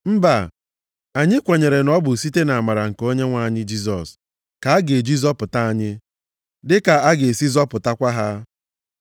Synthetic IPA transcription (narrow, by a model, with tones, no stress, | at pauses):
m̩˦ba˨ | a˨ɲɪ˦kʷe˨ɲe˨ɾe˨nɔ˦bʊ˨si˦te˦na˨ma˨ɾa˨ŋ̩˨ko˦ɲe˦ŋʷa˦˨ɲɪ˦d͡ʒi˦s̬ɔ̰˨s | ka˨a˦ɡe˨d͡ʒi˦zɔ˦pʊ˨ta˦a˦ɲɪ˦ | dɪ˦ka˨a˦ɡe˨si˦zɔ˦pʊ˨ta˦kʷa˦ɦa˦